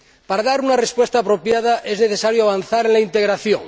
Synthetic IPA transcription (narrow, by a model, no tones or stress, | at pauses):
paɾaðaɾunarespwest̪aːpɾopjað̞aʔezneθesaɾjoaβ̞anθaɾenlaint̪eɣɾaθjoŋ